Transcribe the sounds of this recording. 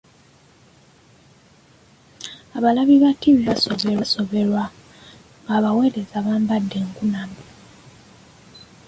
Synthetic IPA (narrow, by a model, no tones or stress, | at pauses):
aβalaβiβatiβiβaso̞βe̞ɾwaso̞βe̞ɾwa | ŋɡaːβawe̞ːɾezaβaːmbadːe̞ːŋkunami